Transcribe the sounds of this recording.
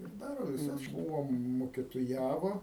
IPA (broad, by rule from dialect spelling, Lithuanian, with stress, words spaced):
ɪr ˈdɑːroː ʋʲɪˈsɐs ˈbuːʋoː mʊkʲɪtoːˈjæːʋoː